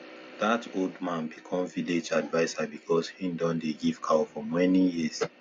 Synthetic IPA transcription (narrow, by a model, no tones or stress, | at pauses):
ð̥atʰoldmãnbikʰɔ̃mviled͡ʒadvaɪsabikʰɔshĩndɔ̃ndeɡiv̥kʰafɔmɛnijis